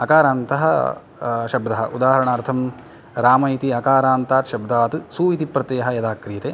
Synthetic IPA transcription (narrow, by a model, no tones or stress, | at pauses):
ɐkaːɾaːnt̪ɐɦɐ | ʃɐbd̪ɐɦɐ̰ʔud̪aːɦɐɾɐɳɐːɾt̪ʰɐm | ɾaːmɐjt̪iɐkaːɾaːnt̪aːt̪ʃɐbd̪aːt̪ɨsuːit̪ipːɾɐt̪eːɐɦɐjɐd̪aːkɾiːt̪e